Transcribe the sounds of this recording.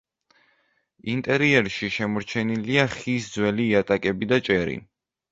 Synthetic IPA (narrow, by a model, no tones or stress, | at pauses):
int̪ʼɛɾiɛɾʃiʃɛmɔɾt͡ʃʰɛniliaχisd̪zwɛliːat̪ʼakʼɛbid̪at͡ʃʼɛɾḭ